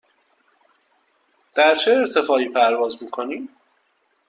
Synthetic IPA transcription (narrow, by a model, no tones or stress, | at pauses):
d̪̥æɾt͡ʃʰeːɾt̪ʰe̞fɒːiːpʰæɾvɒːzmiːkʰo̞niːm